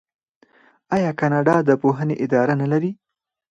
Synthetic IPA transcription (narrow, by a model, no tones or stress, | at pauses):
ɑjɑkɑnɑɖɑd̪əpoɦəneʔɪd̪ɑɾanalaɾi